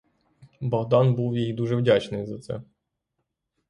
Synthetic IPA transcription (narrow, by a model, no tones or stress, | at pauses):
baɣd̪anbɘwvjejd̪uʐɛvd͡ʑat͡ʂnɨzɨt̪sɛ̰